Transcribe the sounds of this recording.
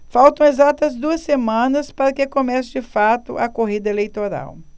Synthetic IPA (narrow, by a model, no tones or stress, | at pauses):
fawt̪ɐ̃w̃ezat̪ɐzd̪uɐsːemɐ̃nɐspaɾɐkɪkomɛsɪd͡ʒɪfat̪ʊʔɐkoɦid̪ɐelejt̪oɾa̰w